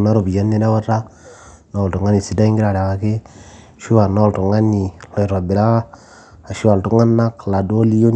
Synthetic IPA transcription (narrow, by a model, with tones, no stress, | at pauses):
na˦ɾo˨bi˨a˦nːe˦da˦wa˦ra˦ | na˨ltu˨ŋa˦ni˨si˨da˦i˦ŋɡi˦ɾa˨ɾa˨wa˨ke˦ | ʃu˦wa˨na˦˨lto˨ŋa˦ni˨lɔ˨jɾwa˨bi˨la˦ | a˨ʃi˦wa˨ltu˦ŋa˦nːa˦kla˨do˦li˦jo˦n